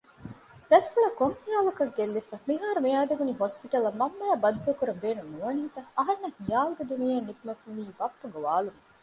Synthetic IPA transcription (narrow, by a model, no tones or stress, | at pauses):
d̪̥ɐtfuɭɐkoŋhijaːlɐkɐɡelːifɐmiɦaːɾumijaːd̪eʋuniɦospiʈɐlɐmːɐmːɐjæːbɐd̪ut̪ɐlkuɾɐmbeːnunnuʋɐniɦit̪ɐɐɦɐnːɐhijaːluɡed̪unijeːnːit̪umɐfuniːbɐpːɐɡeʋaːlum